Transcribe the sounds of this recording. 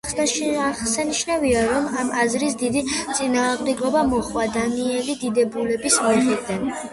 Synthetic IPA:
saniʃnaviaɾɔmamazɾisd̪id̪it̪sʼinaːʁmd̪ɛɡɔbamɔχwad̪aniɛlid̪id̪ɛbulɛbismiχid̪an

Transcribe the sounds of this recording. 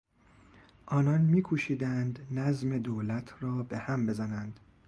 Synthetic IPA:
ʔɒːnɒːnmiːkʰuʃiːd̪ænd̪næzme̞d̪oːlæt̪ʰrɒːbe̞hæmbe̞zænænd̪̥

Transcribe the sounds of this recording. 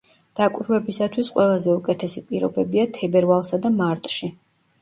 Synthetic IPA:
d̪̥akʼwɾvɛbisat̪ʰwisqʼwɛlˠazɛukʼɛt̪ʰɛsipʼiɾɔbɛbiat̪ʰɛbɛɾvalˠsad̪amaɾt̪ʼʃi

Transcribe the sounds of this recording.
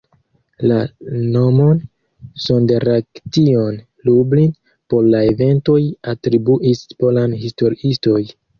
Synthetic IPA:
lano̞mon | so̞ndeɾaktio̞n | lublin | po̞ɾlaeve̞nto̞jatɾibuʔispo̞lanhisto̞ɾiisto̞j

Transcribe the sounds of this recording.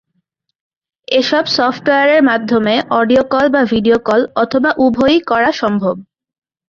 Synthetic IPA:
eʃɔbsɔfʈoeaɾeɾmad̪ʱːomeʔɔɖiokɔlbabʱiɖiokɔlɔt̪ʰobaʔubʱojkɔɾaʃɔmbʱob̚

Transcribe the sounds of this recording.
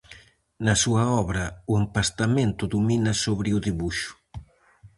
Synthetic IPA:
nɐsuɐɔβɾɐʊempast̪ament̪ʊðuminɐsoβɾɪʊðiβuʃʊ̥

